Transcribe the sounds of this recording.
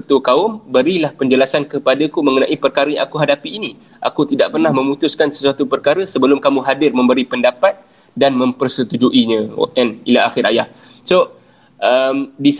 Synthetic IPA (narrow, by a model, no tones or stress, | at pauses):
t̪ukaʊmbəɾilahpəɲd͡ʒəlasankəpadakumə̃ŋənãʔipərkaɾəjã̰ʔakuɦadapiːni | ʔa̰kut̪idaʔpərnahmə̃mũt̪ʊskansə̥suat̪upərkaɾəsəbəlʊmkamũɦadɪrmə̃mbəɾipəndapat̪̚ | danmə̃mpərsət̪ud͡ʒuʔiɲə̃ɛnilaaxɪɾʔa̰jah | so | ʔəmdis